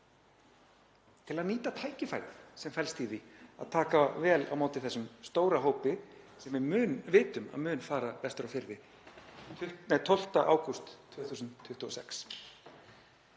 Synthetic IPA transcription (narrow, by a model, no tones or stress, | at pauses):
t̪ʰɪlaðniːt̪at̪ʰaːjcɪfa̰jɾθsɛmfɛlst̪iːðia̰ðt̪ʰaːkavɛːla̰wmaːwt̪ɪθɛsːʏmst̪oːwɾaɦoːwpɪ | sɛmvɪːnvɪːt̪ʏma̰ðmʏːnfaːɾapɛst̪ɾawfɪɾðɪ | t̪ʰʏmɛt̪ʰɔl̥t̪aʔaːwkʏst̪ʰːvœːθuːsʏntt̪ʰːʏht̪ʏɔsɛks